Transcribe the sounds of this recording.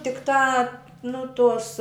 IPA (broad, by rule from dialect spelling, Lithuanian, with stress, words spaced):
tʲɪkˈtɑː ˈnʊ ˈtoːs